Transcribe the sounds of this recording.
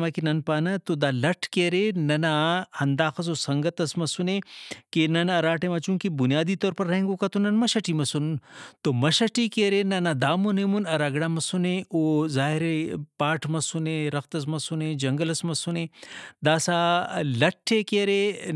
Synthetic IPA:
maːkinɐnpaːnɐt̪od̪aːlɐʈʰkeːɾenɐnahɐnd̪aːxɐs̬oːsɐŋɡɐt̪ɐsmɐsunekenɐnɐɾaːʈʰemɐt͡ʃũːŋkibunijaːd̪iːt̪oːɾpɐɾːɐẽŋɡokat̪onɐnmɐʃɐʈiːmɐsunt̪omɐʃɐʈikeːɾenɐnad̪aːmunemunɐɾaɡɽaːmɐsuneoːzaːɦiɾepaːʈʰmɐsuneɾɐxt̪ɐs̬mɐsuned͡ʒɐŋɡəlɐsmɐsuneːd̪aːsalɐʈʰːekeːɾe

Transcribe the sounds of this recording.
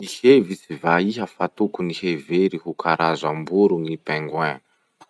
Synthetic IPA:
nihevisivaiɦəfat̪ukuniheveɾihukʰaɾʔazambuɾuŋipeŋɡwɛnə̥

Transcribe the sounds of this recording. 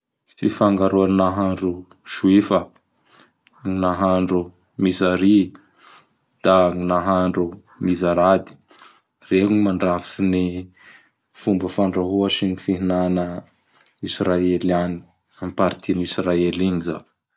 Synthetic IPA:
fifaŋɡaɾuannaɦaɳɖ͡ʐu | ʃuifə | ŋnaɦaɳɖ͡ʐu | misaɾi | d̪̥aŋinaɦaɳɖ͡ʐu | mizaɾad̪i̥ | reɦuɲimaɳɖ͡ʐafi̥sini | fumbəfaɳɖ͡ʐaɦuaʃinifiɦinanə | israelani̥ | ampaɾit̪ʰinisraeliŋiza̰

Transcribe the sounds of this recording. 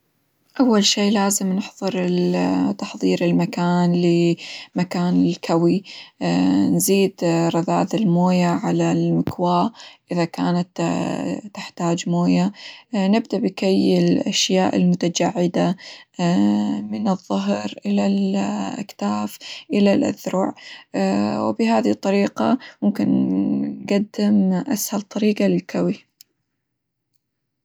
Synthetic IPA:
ʔawːalʃiːʔlaːzɪmnɪħðˤɨɾɪt̪ɑħðˤiːɾɪlmakaːnlimakaːnɪlkʰawi | nziːd̪ɾˤɑða̰ːðɪlmoːjaʕalalmɪkwaːʔɪðaka̰ːnat̪ː | ɪ̥ħt̪aːd͡ʒmoːjanɪb̚d̪abɪkajɪlʔaʃjaːʔɪlmʊt̪ad͡ʒaʕːɪd̪a | mɪnɨðˤːʊɦɾʔɪlalʔa̰kt̪aːfʔɪlalʔa̰θɾʊʕ | wbɪɦaːðt̪ˤːɑɾiːqamʊmkɪn | ɡad̪ːɪmʔashalt̪ˤɑɾiːqɑlɪlkʰawi

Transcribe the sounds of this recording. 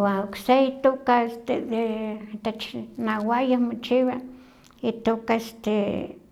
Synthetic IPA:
waokseit̪okaest̪ed̪et̪et͡ʃnawajohmot͡ʃiwa | it̪okaest̪e

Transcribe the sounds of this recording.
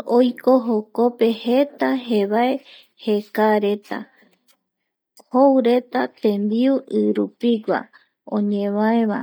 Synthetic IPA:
ojkoɦoko̞pe̞he̞t̪aɦe̞βae̞ | he̞kaɾe̞t̪a̰ | howɾe̞t̪at̪ẽ̞mbiuʔɨɾupiɡʷa̰ | õ̰ɲẽʋaeβa

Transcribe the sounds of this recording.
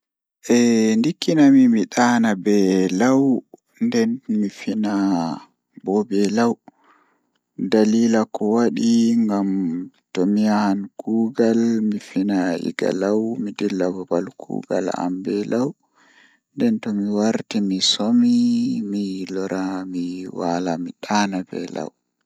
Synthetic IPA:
ʔɛndikːinamimiɗaːnabɛlaw | ndɛnmifina | bɔbɛlaw | daliːlakɔwaɗiŋɡam | tɔmiahnɡuːɡalmifinaḭɡa̰lawmidilːababalkʰṵɡa̰la̰mbɛlaw | ndɛntɔmiwaɾtimisomimilɔɾʔamiwalamiɗanabɛ̰la̰w

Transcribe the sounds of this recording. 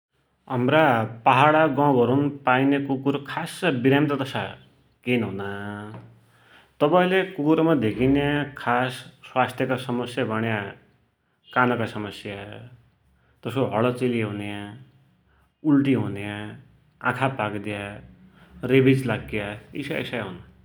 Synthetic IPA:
ɦʌmɾapaɦaɽaɡãɡʌɾunpainekukuɾkʰasʌbiɾjamt̪ʌd̪ʌsa | kenɦuna | t̪ʌpaĩlekukuɾmad̪ʱekʰinakʰasːwast̪ʰjʌkasʌmʌsjabʱʌɽ̃ja | kanʌkasʌmʌsja | t̪ʌsoɦʌɭʌt͡seliɦunja | ulʈiɦunjã | ã̰kʰapakd̪ja | ɾebid͡zlaɡjaḭsaḛsajɦuna

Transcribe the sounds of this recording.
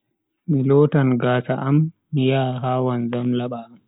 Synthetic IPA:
milɔːtanɡaːsaʔamː | ijaːɦaːwanzamlaɓam

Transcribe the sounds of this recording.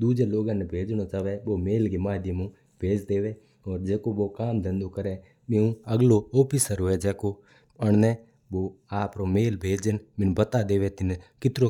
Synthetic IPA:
d̪uːd͡ʒeloːɡãːnebʱeːd͡ʒñot͡ʃaːʋeʋoːmeːlɡemaːd̪jəmũ | bʱeːd͡ʒd̪eːʋeː | ɔːɾd͡ʒɛːkoʋokaːmd̪ə̃nd̪okəɾeː | mɪ̃ũəɡloɔːpisəɾɦoːed͡ʒɛːko | əɳ̃neː | ʋoːaːpɾomeːlbʱeːd͡ʒd͡ʒənmɪnbət̪ad̪eːʋet̪ɪnkɪt̪ɾo

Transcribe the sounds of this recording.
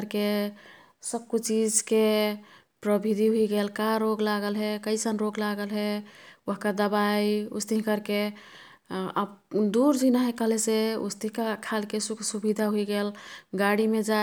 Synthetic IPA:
ɾke | səb̚kut͡ʃid͡ʒke | pɾəbʱid̪ʱiɦuiɡelkaɾoɡlaɡəlɦɛkəɪsənɾoɡlaɡəlɦɛɦkad̪əbaiṵst̪iɦkəɾke | a̰bd̪uɾd͡ʒinaɦɛkəɦleseṵst̪iɦkakʰalkesukʰsubid̪ʱaɦuiɡelɡaɽimed͡ʒa

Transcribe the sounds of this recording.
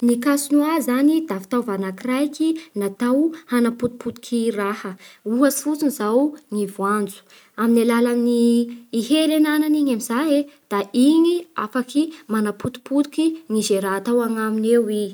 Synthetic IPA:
nikasunuazanid̪afi̥t̪awvanakirajkinat̪awhanaput̪u̥put̪u̥kʰirahəuɦasi̥fut͡sinizawŋivuand͡zu̥ | aminalalaminiːɦelenananiɲamizaɦed̪̥aiɲia̰fakimanaput̪u̥put̪u̥kiŋizeɾat̪awaŋaminewi

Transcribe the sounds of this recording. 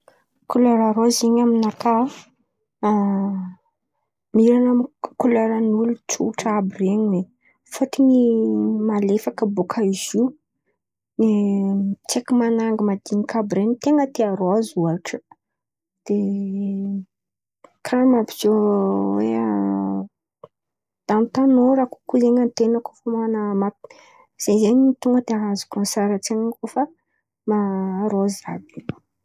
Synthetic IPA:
kuleɾaɾoziɲaminaka | miɾanakuleɾanulut͡suʈ͡ʂabireɲiwe | faʈ͡ʂiɲimalefakəbokʰaiziu | ne | t͡sekimanaŋɡəmad̪̥inikabɾenit̪eŋət̪eaɾoazuaʈ͡ʂə̥ | d̪̥e | kʰamapi̥z̥owḛa | d̪̥anit̪anoɾaku̥kuzeɲənt̪enəko̥famanamḁ | z̥ezeɲiit̪uŋɡəd̪eaɦazu̥kənsaɾət͡seŋakofə | maɾozabi̥

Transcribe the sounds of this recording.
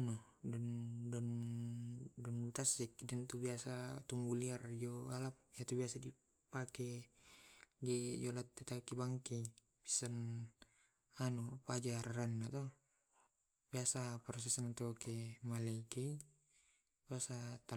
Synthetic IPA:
nɔ | dɔndɔn | dɔnt̪asikdɛnt̪ubiasat̪umbuliard͡ʒɔalap̚ijat̪ubiasadi | pakɛ | ɡɛd͡ʒɔlat̪ːɛt̪akibaŋki | pi̥san | anupad͡ʒaraanːat̪ɔ | biasapɾɔs̬ɛsanat̪ɔkɛmalɛkɛ | biasat̪a

